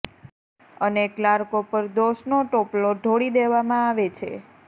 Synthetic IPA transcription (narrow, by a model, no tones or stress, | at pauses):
əneklaɾkopəɾd̪oʃnoʈoploɖʱoɽid̪eʋamãaʋet͡ʃʰḛ